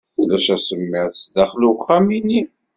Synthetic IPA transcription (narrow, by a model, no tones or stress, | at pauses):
θulæʃæsəmːɪʁsðæχluχːæmini